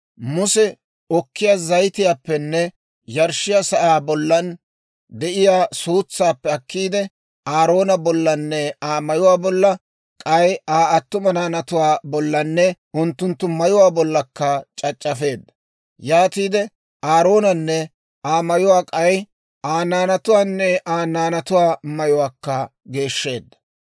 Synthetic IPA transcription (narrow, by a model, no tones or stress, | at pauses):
mʊsɛ | ɔkːɪjaːzɐjt̪ɪjaːpːɛnːɛ | jɐɾʃɪjaːsɐʔaːbɔlːɐn | d̪ɛʔɪjaːsuːt͡sːaːpːɛɐkːiːd̪ɛ | ʔaːɾo̞ːnɐbɔlːɐnːɛaːmɐjʊwaːbɔlːɐ | kʼɐjaːɐt̪ːʊmɐnaːnɐt̪ʊwaːbɔlːɐnːɛʔʊnt̪ːʊnt̪ːʊmɐjʊwaːbɔlːɐkːɐt͡ʃʼɐt͡ʃʼːɐfe̞ːd̪ːɐ̥ | jaːt̪iːd̪ɛ | aːɾo̞ːnɐnːɛ | ʔaːmɐjʊwaːkʼɐj | aːnaːnɐt̪ʊwaːnːɛʔaːnaːnɐt̪ʊwaːmɐjʊwaːkːɐ | ɡe̞ːʃːe̞ːd̪ːɐ̥